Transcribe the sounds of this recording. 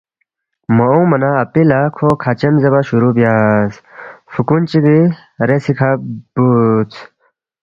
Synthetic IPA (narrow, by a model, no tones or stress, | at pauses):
mɐõmɐnaːpilakʰokʰat͡ɕemzebaɕuɾubjasfukunt͡ɕiɡi | ɾesikʰab̥ut͡sʰ